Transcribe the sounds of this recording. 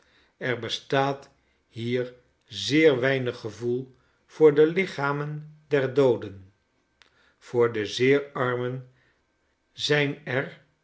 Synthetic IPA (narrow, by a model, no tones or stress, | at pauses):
ɛɹbəstaːt | ɦiːɹ | zɪːɹʋɛjnəχːəvulˠ | v̥ʊːɹdəlɪχaːməndɛɹdowdən | v̥ʊːɹdəzɪːɹɑɹmən | zɛjnɛɹ